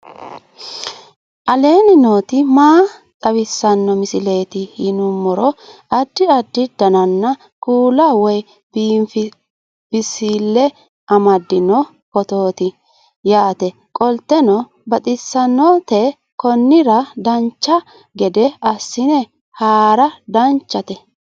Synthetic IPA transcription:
ʔɐle̞ːnɪnoːt̪ɪmaːt̪ʼɐwɪsːɐnːɔmɪsɪle̞ːt̪ɪhɪnʊmːɔɾɔɐd̪ːɪɐd̪ːɪd̪̥ɐnɐnːɐ | kuːlɐwɔj | b̥iːmfɪ | b̥ɪsiːlːɛ | ɐmɐd̪ːɪnɔ | kɔt̪o̞ːt̪ɪ | jaːt̪ɛ | kʼɔlt̪ːɛnɔ | bɐt̪ʼɪsːɐnːɔt̪ɛ | kɔnːɪɾɐd̪ɐnt͡ʃːɐ | ɡɛd̪ɛɐsːɪnɛ | haːɾɐd̪ɐnt͡ʃːɐt̪ɛ

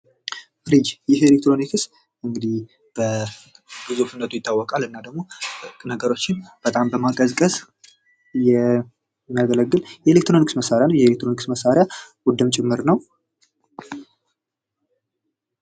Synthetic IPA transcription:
fɾid͡ʒjɪhelekt̪ɾo̞nikʰɨs | ʔɨŋɡɨd̪ih | b̥ə | b̥ɨzufɨnːət̪ʰujɪt̪ʰːawːɔkʼalɨnːad̪əɡmo̞nəɡəɾo̞t͡ʃːɪnb̥ət̪ʼambəmakʼəzkʼəs | jɛ | mːijaɡələɡːɨljɛelek̚t̪ɾoniksməsːaɾjanəwjɛelekt̪ɾo̞niksməsːaɾjawʊd̪ɨmt͡ʃʼɪmːɨɾnəw

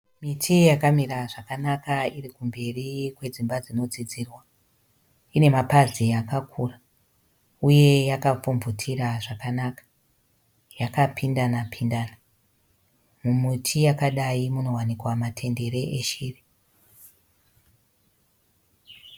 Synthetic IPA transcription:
mitʰijakamiraʐakanakairikumbe̞rikwe̞d͡zimbad͡zino̞d͡zid͡ziːrwa | ine̞mapazijakakʰura | uje̞jakap͡fumvutʰiraʐakanakḁ | jakapʰindanapʰindaːna | mumitʰijakaɗaimuno̞wanikwamatʰe̞nde̞ɾe̞ʔeʃiːri

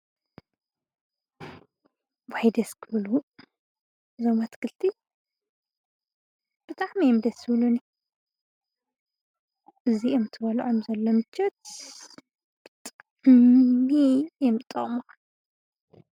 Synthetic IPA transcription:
wajd̪ɐskʰɨβlu | zomat̪kʰɨlt̪ʰi | b̥ɨt̪ʼaʕmijɛmd̪ɐsɨβluni | ʔɨziʔomt̪ʰɨβɐluʕomzɐlːomɨt͡ʃʰːɐt̪ | b̥ɨt̪ʼaaʕmijɛmɨt̪ʼːɐ̰χʼmoxɐn

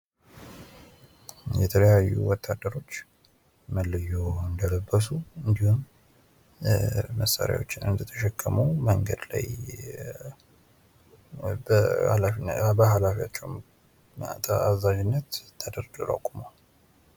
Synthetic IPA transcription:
jɛt̪ʰələjajːṵwɔt̪ʰːad̪ːəɾo̞t͡ʃː | məlːəjoɨnd̪ələbːəsuɨnd̪ihum | məsːa̰ɾja̰wo̞t͡ʃːɪnɨnd̪ət̪ʰəʃɛkʼːəməwməŋɡəd̪la̰j | bəhalafbəɦalafijat͡ʃːɛw | t̪ʰəazad͡ʒɪnːət̪t̪ʰːəd̪əɾɡɨɾə̰kʼuməw

